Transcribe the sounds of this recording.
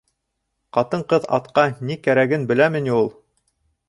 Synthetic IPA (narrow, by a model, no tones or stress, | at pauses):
qɑt̪ɤɴqɤðɑ̰t̪qɑnikæɾæɡɘnbɘ̆læmɘ̆niulˠ